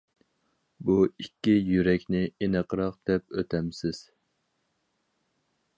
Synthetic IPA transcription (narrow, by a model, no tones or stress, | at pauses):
buikʲːijyɾɛkʲnɪenəqʰəɾɑqd̪̥ɛp̚øt̪ʰɛmsɪz̥